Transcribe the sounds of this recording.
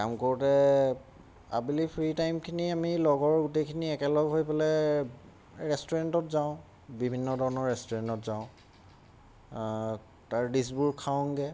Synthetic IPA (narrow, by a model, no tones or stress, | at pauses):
ka̰mkoɹutɛ | a̰bilipʰɹitajmkʰiniamilɔɡɔɹɡutekʰiniɛkɛlɔɡɦojpɔlɛ | ɹɛstɔɹɛntɔtzaʊ̃ | bibʱinːɔdʱɔɹɔnɔɹɹɛstɔɹɛntɔtzaʊ̃ | taɹdis̬buɹkʰaw̃ŋɡɛ